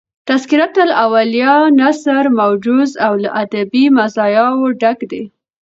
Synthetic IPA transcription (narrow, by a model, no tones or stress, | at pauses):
t̪askiɾat̪ːəlʔawalijɑnasaɾmawd͡ʒuzawlaʔad̪abimazɑjɑwoɖakd̪e